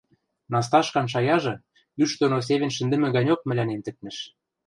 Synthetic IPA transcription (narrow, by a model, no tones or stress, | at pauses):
nɑs̬t̪ɑʃkɑnʃ̬ɑjɑʒɤ̆ | yʃd̪onos̬eβʲɘ̆nʃɘ̆nd̪ɘ̆mɘ̆ɡɑnʲok̚mɘ̆lʲænemt̪ɘ̆k̪̚nɘ̆ʃ